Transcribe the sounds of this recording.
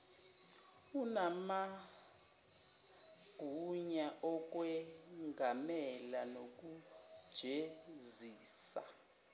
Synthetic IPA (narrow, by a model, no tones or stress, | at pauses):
unama | ɡ̥ʱuɲaʔɔk̬wɛŋɡʱamɛlanok̬ud̥ʒ̥ʱeziːsa̰